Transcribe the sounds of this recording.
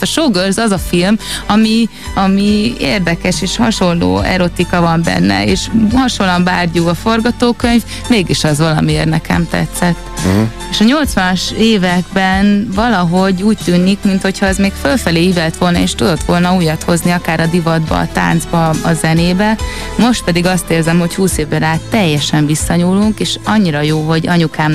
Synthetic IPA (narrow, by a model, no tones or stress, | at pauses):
t̪ɒʃoːɡørzɒzɒfilmɒmi | ɒmieːrd̪ɛkɛʃeːʃhɒʃo̞llo̰ːɛ̰ɾot̪ikɒvɒmbɛ̰nːɛ̰eːʃhɒʃolːɒmbaːrɟuɡɒfo̞rɡɒt̪oːkøɲv | meːɡiʃɒzʋɒlɒ̰mieːrnɛkɛ̰mt̪ɛ̰t̪sɛt̪ː | eːʃɒɲo̞lt̪sʋɒnɒʃeːvɛɡ̚bɛnvɒlɒɦo̞ɟuːc̚t̪yːnikmint̪ho̞chɒɛzmeːkfølfɛleːivɛlt̪ʋo̞lnɒeːʃt̪ud̪o̞t̪ʋo̞lnɒuːjɒt̪ho̞zniɒkaːɾɒd̪ivɒd̪bɒ̰ːt̪a̰ːnd̪zbɒɒzɛneːbɛ | mo̞ʃt̪̚pɛd̪iɡɒst̪eːrzɛmho̞chuːseːvbɛɾaːt̪ːɛjːɛʃɛɱvisːɒɲuːlːuŋkeːʃɒɲːiɾɒjoːɦo̞ɟɒɲukaːm